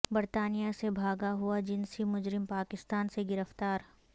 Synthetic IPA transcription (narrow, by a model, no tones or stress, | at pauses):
bɐɾt̪aːnijasebʱaːɡaɦuad͡ʒɪnsimʊd͡ʒɾɪmpaːkɪst̪aːnseɡɪɾəft̪aːɾ